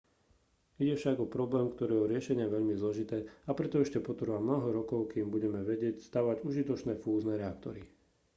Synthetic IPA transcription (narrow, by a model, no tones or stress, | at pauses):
iɟɛfʃaɡɔpɾɔblɛːmkt̪ɔɾiːɛɔɾɪɛʃɛɲɪaɛʋɛʎmizlɔʒit̪ɛːapɾɛt̪ɔɛʃcɛpɔt̪ɾʋamnɔɦɔɾɔkɔʊkiːmbuɟɛmɛʋɛɟɪɛcst̪aːʋaɟuʒit̪ɔt͡ʃnɛːfuːznɛːɾɛakt̪ɔɾi